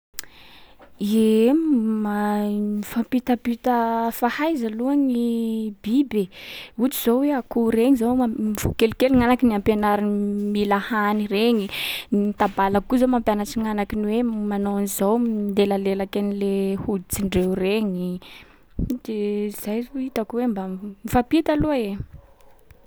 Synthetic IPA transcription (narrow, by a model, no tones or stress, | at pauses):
i | maifampit̪əpit̪əfahajzaluaŋibibeut͡siz̥oweakuɾeɲizowmiv̥ṵkelukeliŋanakiniampenaɾinmilahanireɲinit̪abalakuzomampjanaʈ͡ʂiŋanakiniwemanoanizownd̪elalelakanilehud̪it͡siɳɖ͡ʐewreɲi | d̪̥ez̥ajruit̪akuwembamifapit̪aluae